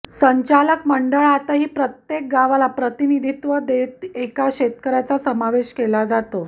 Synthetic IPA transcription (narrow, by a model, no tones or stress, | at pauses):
səɲt͡ɕaləkməɳɖəɭat̪aɦiːpɾət̪jek̚ɡaʋalapɾət̪inid̪ʱit̪ʋəd̪et̪ekaɕet̪kəɾat͡sasəmaʋeɕkelad͡zat̪o